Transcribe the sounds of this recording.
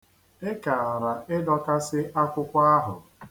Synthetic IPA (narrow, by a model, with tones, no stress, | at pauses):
ɪ˦ka˨a˨ɾa˨ɪ˦dɔ˦ka˦sɪ˦ʔa˦kʷʊ˦kʷa˦ɦʊ̰˨